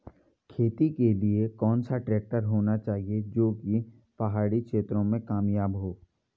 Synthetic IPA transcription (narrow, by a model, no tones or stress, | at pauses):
kʰeːt̪ikeliekɔːnsaʈɾɛːk̚ʈəɾɦoːnat͡ʃaːɦied͡ʒoːki | pɐɦaːɽikʃeːt̪ɾõmẽkaːmjaːbɦoː